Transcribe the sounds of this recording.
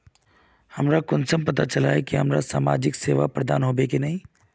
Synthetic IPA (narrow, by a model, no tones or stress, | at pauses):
hɐmɾakʊnsəmpɐt̪at͡ʃɐlaːekiɦɐmɾasaːma̰ːd͡ʒɪkseːʋapɾɐd̪a̰ːnɦoːbekenɐɦĩː